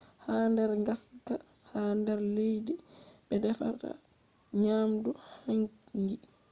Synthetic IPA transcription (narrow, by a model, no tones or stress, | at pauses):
handɛɾŋɡaska | handɛɾlejdiɓɛdɛfa̰ɾta̰ | ɲaːmduhaŋŋɡi